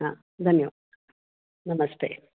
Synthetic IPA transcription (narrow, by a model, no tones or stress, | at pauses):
ã | d̪ɐmjo | nɐmɐst̪ḛː